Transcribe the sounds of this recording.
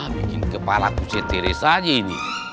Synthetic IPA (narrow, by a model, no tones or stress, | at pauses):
bikinkəpalakusɛt̪eɾesad͡ʒainḭ